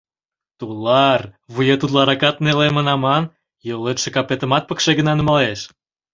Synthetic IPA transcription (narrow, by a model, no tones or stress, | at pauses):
t̪ulɑrβujet̪ut̪lɑɾɑkɑt̪̚nelemənɑmɑn | jolet̪ʃĕkɑpet̪ə̆mɑt̪̚pə̆kʃeɡənɑnəmɑleʃ